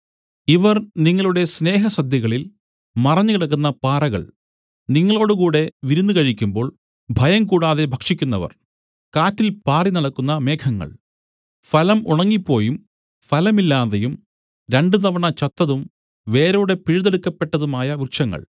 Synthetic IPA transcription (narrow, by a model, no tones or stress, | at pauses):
iʋɐrniŋːɐɭuɽe̞sne̞ːɦɐsɐd̪jɐɣɐɭil | mɐrɐɲːɨkiɽɐk̬ːunːɐpaːɾɐɣɐ̰ɭ | niŋːɐɭo̞ːɽɨkuːɽe̞ʋiɾunːukɐɻikʲːumbo̞ːɭ | bʱɐjɐmkuːɽaːðe̞bʱɐkʂikʲːunːɐ̰ʋɐ̰r | kaːtːilpaːrinɐɽɐkːunːɐme̞ːkʰɐŋːɐ̰ɭ | fɐlɐmuɳɐŋːipːo̞ːjum | fɐlɐmilːaːðɐjum | ɾe̞ɳɖɨt̪ɐʋɐɳɐt͡ɕɐt̪ːɐðum | ʋe̞ːɾoːɽe̞piɻuðeɽukːɐpːe̞ʈːɐðumaːjɐʋirʂɐŋːɐ̰ɭ